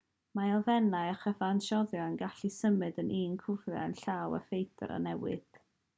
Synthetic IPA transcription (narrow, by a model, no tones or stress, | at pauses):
maɔvɛnaɨaχəfanʃɔðjɔənɡaɬisəmɨdənʔiːnkʰʊvra̰ənɬaːwə̰fejdʰə̰ɾa̰nɛwɨ̰d̥